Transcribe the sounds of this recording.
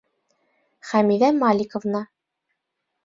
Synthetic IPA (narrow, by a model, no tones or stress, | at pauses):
χæmiðæmɑlʲikŏvnɑ